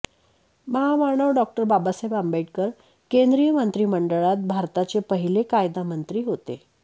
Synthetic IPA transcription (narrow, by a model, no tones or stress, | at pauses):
məɦaʋaɾɳəʋɖɔk̚ʈəɾbabasajbəmbaʈ̚kəɾ | kend̪ɾijəmənt̪ɾiːməɳɖəɭat̪̚bʱaɾt̪at͡sepəɦilekajd̪amənt̪ɾiːɦot̪ḛ